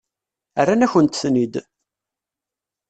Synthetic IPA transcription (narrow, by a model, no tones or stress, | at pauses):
ərːanæçənt̪θnid̪